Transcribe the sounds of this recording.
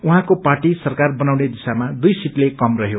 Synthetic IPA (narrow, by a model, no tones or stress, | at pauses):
uɦãkoparʈisʌrkarbʌnawned̪isamad̪ujsiʈlekʌmrʌɦjo